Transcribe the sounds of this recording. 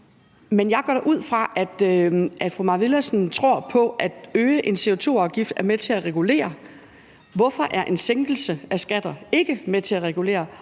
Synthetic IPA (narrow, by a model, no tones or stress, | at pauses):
menjɑ̈ɪɡ̥ɒ̰ɾ̥ʔuð̞̰ˠfʁɑ̈ʔæd̥ʔæd̥fʁumɑ̈ʋilæsn̩t͡sʰʁo̝ɐ̰pʰɒ̽ʔæd̥øːəʔe̝nse̝o̝t͡sʰo̝̰ːɑ̈ʊɡ̥ifd̥æɐmet͡sʰe̝æʁɛɡ̥ule̝̰ːɐ | ʋɒ̽fɒ̽ʔæɐʔe̝nseŋɡ̥l̩səæsɡ̥æd̥ɐe̝ɡ̥əmet͡sʰe̝æʁɛɡ̥ule̝̰ːɐ